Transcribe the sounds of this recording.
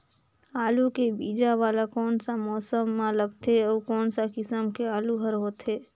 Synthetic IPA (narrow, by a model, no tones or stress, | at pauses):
aːlukebiːd͡ʒaʋaːlakɔːnsamɔːsəmːãləɡt̪ʰeəːkoːnsakɪsəmkeaːluɦəɾɦoːt̪ɦeː